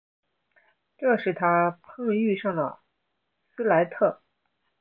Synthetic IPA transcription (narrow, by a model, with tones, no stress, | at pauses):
ʈ͡ʂɤ˥˧ʂɻ̩˥˩t̪ʰa˥pʰɤ˥ŋ˧˥y˥˧ʂɑ˥˩ŋd̪ə̰˩ | sɹ̩˥la˧˥ɪt̪ʰɤ˥˩